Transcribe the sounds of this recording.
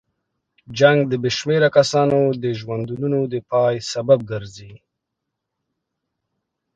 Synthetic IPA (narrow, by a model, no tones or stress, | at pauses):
d͡ʒaŋɡd̪əbeʃmeɾakasɑnod̪əʒwand̪ununod̪əpɑjsabab̚ɡaɾzi